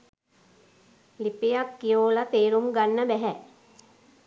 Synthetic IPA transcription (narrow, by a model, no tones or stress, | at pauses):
lipejakːijoːlat̪eːɾumɡanːəbɛɦɛ